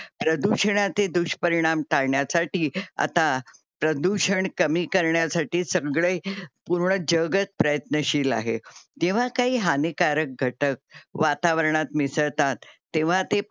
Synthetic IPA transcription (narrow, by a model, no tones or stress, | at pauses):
pɾəd̪uɕəɳat͡sed̪uɕpəɾiɽ̃amʈ̪aɭɳjasaʈiːa̰t̪a | pɾəd̪uɕəɳkəmiːkəɾɳjasaʈiːsəɡɭejpuɾɳəd͡ʑəɡət͡s̚pɾəjət̪nəɕiːla̰ɦḛd͡ʑ̪eʋ̤akaɦiːɦanekaɾək̚ɡʱəʈək̚ʋat̪aʋəɾɳat̪misəʋt̪at̪ːẽʋ̤at̪e